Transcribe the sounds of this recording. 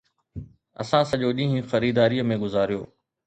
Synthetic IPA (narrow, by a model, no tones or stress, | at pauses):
ɐ̰sãːsəʄoːɗĩːɦĩxɐɾiːd̪aːɾijəmẽɡʊzaːɾijo̰ː